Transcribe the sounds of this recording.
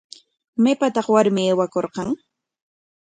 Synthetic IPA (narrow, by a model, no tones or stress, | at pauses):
majpat̪ɑχwaɾmɪeːwakoɾqɑŋ